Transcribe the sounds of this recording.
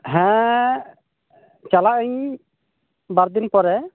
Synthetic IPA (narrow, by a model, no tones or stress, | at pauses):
ɦɛ̃ | t͡ʃalaʔəɲ | baɾd̪inpɔɾɛ